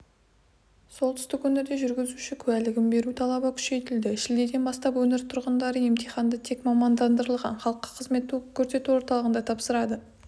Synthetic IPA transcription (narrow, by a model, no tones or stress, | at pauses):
so̞lˠt̪ʰʏ̥st̪ɪkwɵneɾd̪e̞ʒʏɾɡʲɪzuʃɪkʲʰɵælɪɡʲɪmbe̞ɾut̪ʰɑlˠɑbəkʲʰʏ̥ʃe̞jt̪ɪld̪ɪʃɪld̪e̞d̪e̞nbɑst̪ɑpwɵneɾt̪ʰʊɾʁənd̪ɑɾəje̞mt̪ʰijχɑnd̪ət̪ʰe̞kmɑmɑnd̪ɑnd̪əɾəlˠʁɑ̰nχɑlˠəqːɑ̥qʰəzme̞t̪ːukʲʰɵɾse̞t̪uwo̞ɾt̪ɑlˠəʁənd̪ɑt̪ʰɑpsəɾɑd̪ə